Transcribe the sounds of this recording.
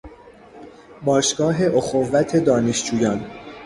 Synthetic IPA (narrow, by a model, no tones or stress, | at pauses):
bɒːʃɡ̥ɒːɦe̞ʔoxovːæt̪ʰe̞d̪ɒːneʃd͡ʒuːjɒːn